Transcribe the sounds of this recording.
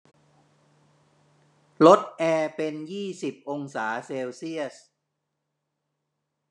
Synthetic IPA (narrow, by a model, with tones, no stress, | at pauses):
lo˦˥t̪̚ʔɛː˧pe˧njiː˥˩si˨˩p̚ʔo˧ŋsaː˩˦seː˧wsi˥˩əs